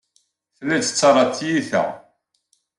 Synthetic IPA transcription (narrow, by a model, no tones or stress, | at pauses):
θlæt͡sə̥t͡sːɑɾˤɑt͡sːjiθæ̰